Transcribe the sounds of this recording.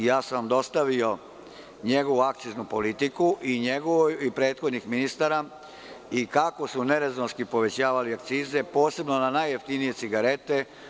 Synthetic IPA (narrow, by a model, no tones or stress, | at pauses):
jaːsamd̪o̞st̪aʋio̞ | ɲe̞ɡo̞ʋuak̚t̪siznupo̞lit̪ikuʔiɲe̞ɡoʋojuipɾeːt̪xo̞d̪nixminist̪aɾa | ikako̞sune̞ɾeznoskipo̞ʋe̞t͡ɕaːʋaliak̚t̪siːze̞po̞ːse̞bno̞nanajːeft̪inije̞t̪siɡaɾe̞t̪e̞